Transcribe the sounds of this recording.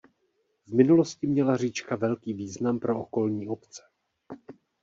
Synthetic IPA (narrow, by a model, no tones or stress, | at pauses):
vmɪnulo̞scɪmɲɛlar̝iːt͡ʃkavɛlkiːviːznampɾo̞ʔoko̞lɲiːo̞pt͡sɛ̥